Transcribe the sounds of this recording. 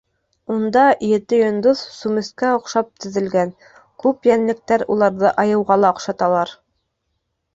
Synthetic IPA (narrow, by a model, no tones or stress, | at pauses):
und̪ɑʔjɘ̆t̪ɘjŏnd̪oθsumɘ̆skæŏqʃɑp̚t̪ɵ̆ðɘ̆lɡæn | kʉpjænlɘ̆k̚t̪æɾulˠɑɾðɤʔɑjɤ̆wʁɑlˠɑŏqʃɑt̪ɑlˠɑɾ